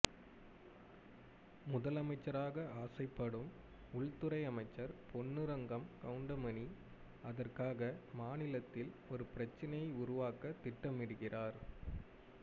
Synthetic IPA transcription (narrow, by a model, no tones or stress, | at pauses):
mʊðɐlɐmɐɪt͡ʃːɐɾaːɣɐaːsɐɪpːɐɽɯm | ʊɭt̪ɯɾɐɪɐmɐɪt͡ʃːɐɾpɔnːɯɾɐŋɡɐmkɐʊɳɖɐmɐni | ɐðɐrkaːɣɐmaːnɪlɐt̪ːɪlɔɾɯpɪɾɐt͡ʃːɐnɐjɐɪʊɾʊʋaːkɐt̪ːɪʈːɐmɪɽɯɣɪraːɾ